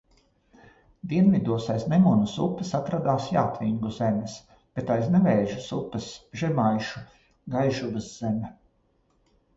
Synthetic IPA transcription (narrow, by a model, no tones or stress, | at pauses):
d̪iɛnvʲid̪uɔsajsnemunusupːɪsat̪ɾad̪aːsjaːt̪vʲiŋɡuzemʲɛs | b̥et̪ajsnɛvɛːʒusupːɐsʒɛmajʃu | ɡajʒubɨsz̥emʲɛ